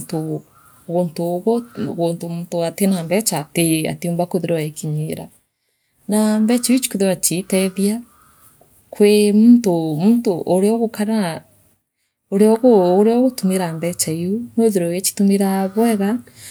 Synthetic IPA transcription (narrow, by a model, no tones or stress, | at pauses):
to | ɣontoɣɔɣontomuntoatenambɛt͡ʃatea̰teombakoðeɾɔaekʰiɲeɾa | nambɛt͡ʃaut͡ʃi̥koðewat͡ʃitɛðia | kwemuntomuːntoʔoɾeɔɣokaɾa | oɾeɔɣooɾeɔɣotumeɾambɛt͡ʃaejonweðeɾɔjet͡ʃi̥tumeɾaβwɛɣa